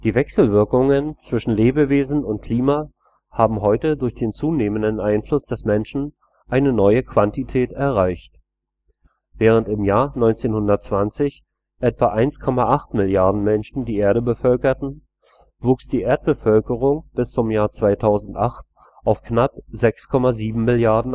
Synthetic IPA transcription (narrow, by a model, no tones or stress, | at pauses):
d̥iːvɛksl̩vɪɐkʊŋənt͡sv̥ɪʃn̩leːbəveːzn̩ʊnt̚kʰl̥iːma | haːbm̩ɦɔʏtədʊɐçd̥eːnt͡suːneːməndənʔaɪnflʊsd̥ɛsmɛnʃn̩ | ʔaɪnənɔʏəkv̥antitʰɛːtɛɐʁaɪçt | v̥ɛːʁ̞əntɪmjaːɐnɔʏnt͡seːnhʊndɐtt͡sv̥ant͡sɪç | ʔɛtv̥aʔaɪnskʰɔmaʔaχtmɪljaɐdn̩mɛnʃn̩diːʔeːɐɾəbəfœlkɐtn̩ | vuːksd̥iːʔeːɐt̚b̥əfœlkəʁ̞ʊŋb̥ɪst͡sʊmjaːɐt͡sv̥aɪtʰaʊzn̩tʔaχt̚ | ʔaʊfknap̚zɛkskʰɔmaziːbm̩mɪljaɐdn̩